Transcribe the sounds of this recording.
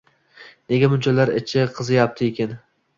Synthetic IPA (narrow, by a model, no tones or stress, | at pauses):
ne̞ɡʲamʊnʲt͡ʃʰalaɾɪt͡ʃʰɪqʰɨzɪjap̚t̪ʰɪekʲan